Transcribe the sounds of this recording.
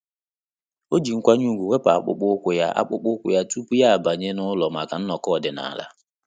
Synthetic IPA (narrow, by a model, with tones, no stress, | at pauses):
o˦d͡ʒi˨ŋ̩˦kʷa˦ɲu˦˨ɡʷu˨wʷe˦pa˨a̰˦˨k͡pʊ̰˦k͡pʊ˦kʷʊ˦ja˦ʔa̰˦k͡pʊ˦k͡pʊ˦kʷʊ̰˦ja˦tu˦pu˦ja˦a˨ba˨ɲe˦nʊ˦lɔ˨ma˨ka˨n̩˦nɔ˨kɔ˦˨dɪ˨na̰˨la̰˦